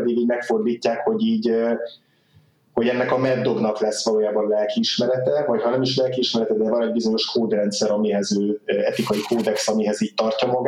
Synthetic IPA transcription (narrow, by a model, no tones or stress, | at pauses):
ɛd̪iɡiːɟmɛkfo̞rd̪iːcːaːkho̞ɟiːɟ | ho̞ɟɛnːɛkɒmɛd̪ːo̞ɡnɒklɛsːʋɒloːjaːbɒnlɛlkiiʃmɛɾɛt̪ɛvɒchɒnɛmiʃlɛlkiːʃmɛɾɛt̪ɛd̪ɛvɒnɛɟ̚bizo̞ɲo̞ʃkʰoːd̪rɛnt̪sɛɾɒmiɦɛzøːɛt̪ikɒjikoːd̪ɛksɒmiɦɛziːc̚t̪ɒrcɒmɒɡ